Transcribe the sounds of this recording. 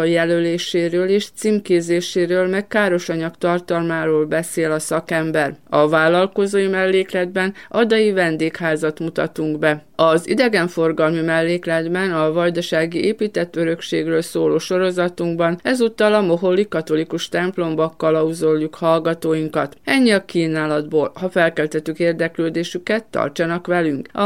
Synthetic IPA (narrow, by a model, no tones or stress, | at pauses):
jɛløleːʃeːɾøːleːʃt̪siːmkeːzeːʃeːɾøːlmɛkkaːɾo̞ʃɒɲɒkt̪ɒrt̪ɒlmaːɾoːlbɛseːlɒsɒkɛmbɛrɒvaːlːɒlko̞zoːjimɛlːeːklɛd̪̚bɛnɒd̪ɒjivɛnd̪eːkhaːzɒt̪mut̪ɒt̪uŋɡbɛɒzḭd̪ɛɡɛɱfo̞rɡɒlmimɛlːeːklɛd̪bɛnɒvɒjd̪ɒʃaːɡiʔeːpiːt̪ɛt̪ːø̞ɾø̞kʃeːɡrøːlsoːloːʃo̞ɾo̞zɒt̪uŋɡbɒnɛzut̪ːɒlɒmo̞ɦo̞lːikɒt̪o̞likuʃt̪ɛmplo̞mbɒkːɒlɒuzo̞lːukhɒlɡɒt̪oːjiŋkɒt̪ɛɲːiɒkiːnaːlɒd̪boːlhɒfɛlkɛlt̪ɛt̪ykeːrd̪ɛkløːd̪eːʃykɛt̪ːɒ̰rt͡ʃɒnɒkʋɛlyŋkɒ̰